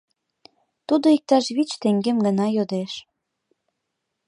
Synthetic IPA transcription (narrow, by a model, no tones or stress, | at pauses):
t̪ud̪oik̚t̪ɑʃβit͡ɕt̪eŋɡemɡə̆nɑjod̪eʃ